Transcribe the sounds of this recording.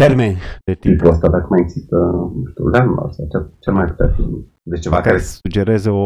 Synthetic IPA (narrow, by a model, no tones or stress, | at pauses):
t̪eɾmenʲd̪et̪it̪ɾuəst̪ad̪akəmajeɡz̥ist̪ənuʃt̪ḭulanula̰sat͡ʃat͡ʃelmajpu̥t̪afḭn | d̪et͡ʃt͡ʃevakaɾeud͡ʒeɾezəo